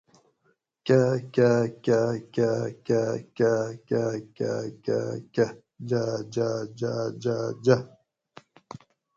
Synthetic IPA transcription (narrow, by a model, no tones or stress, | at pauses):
kakʲakʲakakakakakaka̰ka | d͡ʒad͡ʒad͡ʒad͡ʒad͡ʒa